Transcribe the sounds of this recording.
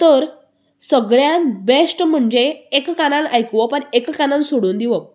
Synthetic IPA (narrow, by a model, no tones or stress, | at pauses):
t̪əɾ | səɡɭjãnbesʈm̤əɳd͡ʑeːkkanãnajkʋɔpənekkanãnsoɽuːnd̪iʋə